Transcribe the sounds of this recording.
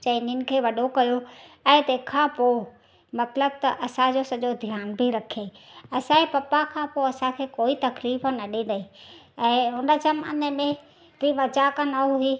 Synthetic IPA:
t͡ʃɐninɪ̆kʰeːʋɐɗokɐjoɛ̃ːt̪eːkʰãpoː | mɐt̪ləb̚t̪ɐʔɐsãd͡ʑoːsɐʄod̪ʱjaːnbʱiɾɐkʰeːɐsãepɐpakʰãpoɐsãkʰeːkoːit̪ɐkɾiːbnɐɗĩd̪ɐi | ɛ̃ːɦʊnəd͡ʒɐmɐ̰nəmẽ | ʋiʋɐd͡ʒaːkənɐɦuɦi

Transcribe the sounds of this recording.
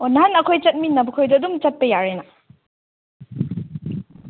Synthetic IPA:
onːaɦanɐkʰojt͡ʃɐt̚minɐbɐkʰojdɐːdumt͡ʃɐt̚pɐjaɾenɐ

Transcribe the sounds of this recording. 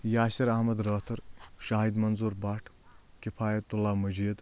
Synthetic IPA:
jaːʃɐɾɐɦmɐd̪ɾɐːt̪ʰɐɾʃaːɦid̪mɐnzuɾbaːʈʰ | kipʰaːjɐt̪ulaːmɐd͡ʒiːd̪

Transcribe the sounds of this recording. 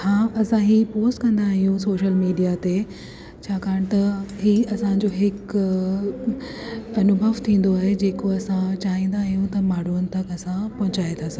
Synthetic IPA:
hãːʔɐsãɦiːpoːsʈkɐ̃nd̪aːɦijũsoːʃəlmiːɖijat̪e | t͡ɕʰaːkaːəɽ̃t̪ɐɦiːɐsãɲ̆d͡ʑoɦɪk | ɐnʊbʱəʋt̪ʰĩːn̆d̪oaːɦed͡ʑeːkoɐsãt͡ɕaːɦĩːn̆d̪aːɦijũt̪ɐmaːɽ̤uənɪ̆t̪ɐkɐsãpɐɦʊ̃t͡ɕaːet̪ʰaːsɐ̃

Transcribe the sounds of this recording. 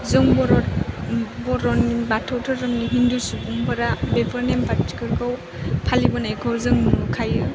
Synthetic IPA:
zɯŋbɔɾɔ | bɔɾɔnːibatʰawtʰɯɾːɯmniɦindusubuŋpaɾabepʰɐɾnempati̥kɯɾkʰaw | pʰalibɯnajkʰawzɯŋkʰajɯ

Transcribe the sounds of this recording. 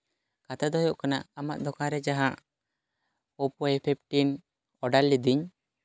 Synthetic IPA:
kat̪ad̪ɔjɔʔkana̰ʔamaʔd̪ɔkãɾɛd͡ʒaɦaʔ | ɔpɔɛpʰip̚ʈin | ɔɖalːid̪iɲ

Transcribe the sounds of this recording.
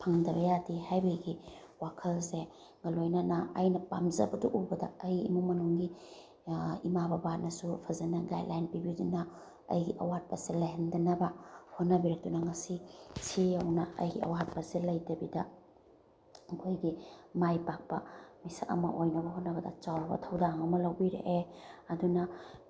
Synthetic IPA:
pʰaŋdɐβɐjadihajbɐɡi | wakʰɐlse | ŋɐlojnɐnɐːjnɐpamzɐ̰bɐduʔubɐdɐ̰ːjimumɐnuŋɡi | imabɐbat̚nɐsupʰɐzɐnɐɡa̰jdlajnpibidunɐ | ɐ̰jɡiʔɐ̰wat̚pɐselɐjɦendɐnɐbɐhot̚nːɐbiɾɐk̚tunɐŋɐsisʰiɐwnɐɐ̰jɡiɐ̰wat̚pɐsilɐjdɐbidɐ | ɐkʰojɡimajpak̚pɐmisaɐ̰mɐ̰ʔojnɐbɐhot̚nɐɡɐdɐ̰t͡ʃawɾɐbɐ̰tʰɐwdaŋɐmɐlɐwbiɾḛʔeɐdunɐ

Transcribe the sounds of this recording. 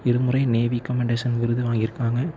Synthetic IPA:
ɪɾɯmɯrɐɪneːʋikːɐmɛɳɖeːsɐnʋɪɾɯðɯʋaːŋɡɪɾɯkːaːŋɡɐ

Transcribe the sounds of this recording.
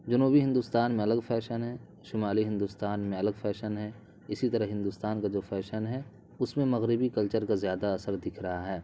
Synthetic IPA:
d͡ʒɐnuːbiɦɪ̃nd̪uːst̪aːnmẽɐləɡfʰɛːʃənɦɛː | ʃɪmaːliɦɪ̃nd̪ust̪aːnmẽɐləɡfʰɛːʃənɦɛ | ɪsit̪ɐɾəɦɦɪ̃nd̪ʊːst̪aːnkad͡ʒoːfʰɛːʃənɦɛ | ʊsmẽmɐɣɾɪbikɐlt͡ʃəɾkazjaːd̪aɐsəɾd̪ɪkʰɾɐɦaɦɛː

